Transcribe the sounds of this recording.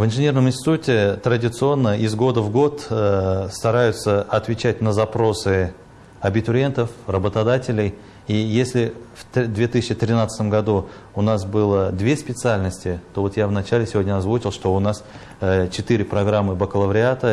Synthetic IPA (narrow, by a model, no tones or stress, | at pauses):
vɨnʐɨnʲe̞rnəmɪnʲsʲtʲɪ̥t̪utʲɪt̪ɾədʲɪt̪sɨo̞nːəɪzɡo̞d̪əvɡo̞t̪st̪ɐɾajʊt̪səɐt̪vʲɪt͡ɕætʲnəzɐpɾo̞sɨ | ɐbʲɪt̪ʊɾʲent̪əfrəbət̪ɐd̪atʲɪlʲɪj | ijesʲlʲɪft̪d̪vʲe̞t̪ɨsʲɪt͡ɕːɪt̪ɾʲɪnat̪sə̥t̪əmɡɐd̪uʊnasbɨlˠəd̪vʲe̞spʲɪt̪sɨalʲnəsʲtʲɪt̪o̞vo̞t̪javnɐt͡ɕælʲɪsʲɪvʲo̞dʲnʲəɐzvut͡ɕɪlˠʂt̪o̞ʊnas | t͡ɕɪt̪ɨɾʲɪpɾɐɡɾamːɨbəkəlˠəvɾʲɪat̪ə